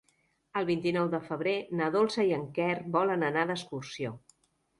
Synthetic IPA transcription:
əlˠβint̪inɔwðəfəβ̞ɾenəðolˠsəiəŋkɛrbɔlənənaðəskursio

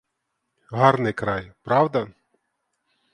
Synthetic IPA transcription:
ɦɑɾnɪjkɾɑjpɾɑwd̪ɐ

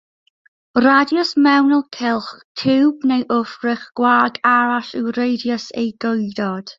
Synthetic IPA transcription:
radjɔsmɛwnɔlˠkʰɪlˠχtʰɪwbnejʔʊfrɪχɡ̥waɡaɹaɬɪwɾejdjəsḛjɡojdɔd̥

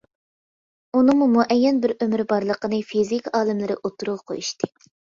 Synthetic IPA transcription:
unɨŋmumuʔɛjːɛnbɪɾømɪɾbɑɾlˠəqənɨfizikʲɑːlˠɨmlɪɾɪʔot̪ʰːuɾuʁɑqʰo̰juʃt̪ʰɨ

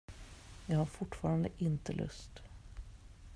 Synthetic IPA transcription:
jɑːɡhaɾfʊʈːfɑːɾand̪əʔɪnt̪əlʔɵ̰st̪

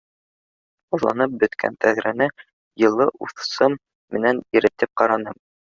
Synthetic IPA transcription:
uðlˠɑ̰nɤp̚bɵ̆t̪kʰæ̰nt̪æðɾænɘ | jɤ̆lˠːɤʔuθsɤmː | ɘ̆næniɾɘ̆t̪ɘp̚qɑɾɑnɤm

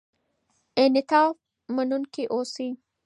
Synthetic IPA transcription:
ʔenɪt̪aːf | mɐnʊnkiʔoːsiː

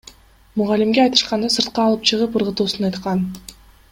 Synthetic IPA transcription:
muʁɑlimɡʲeɑjt̪ɯ̥ʃqɑnd̪ɑsɯɾt̪̚qɑːlˠɯp̚t͡ʃʰɯʁɯpɯɾʁɯt̪uːsunɑjt̪qɑn

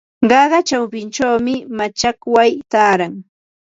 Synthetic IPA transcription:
ɢɑɢɑt͡ʃawpɪnt͡ʃawmɪmat͡ʃakwajt̪aːɾaŋ

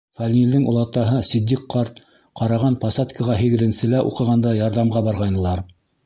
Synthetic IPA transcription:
fɑlʲnʲild̪ɘŋṵlˠɑt̪ɑɦɤsid̪ʲːiqqːɑɾt̪ | qɑɾɑʁɑnpɑsɑt̪kə̆ʁɑɦɘɣɘ̆ðɘ̆nsɘ̆læʔṵqɤ̆ʁɑnd̪ɑjɑɾðɑmʁɑbɑɾʁɑjnɤ̆lˠɑɾ

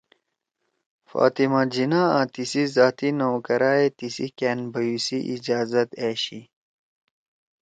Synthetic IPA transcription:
fa̰ːt̪imad͡ʑinaãt̪isizaːt̪inɐwkɐɾaːet̪isikeːnbɐjusiʔid͡ʑaːzɐt̪eːɕi

